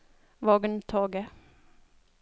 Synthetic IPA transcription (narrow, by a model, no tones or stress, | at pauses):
ʋɔɡnt̪ʰoːɡə